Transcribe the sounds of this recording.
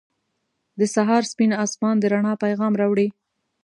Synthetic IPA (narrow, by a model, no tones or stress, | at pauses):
d̪əsaɦɑɾspinɑsmɑnd̪əɾaɳɑpajɣɑmɾɑwɽi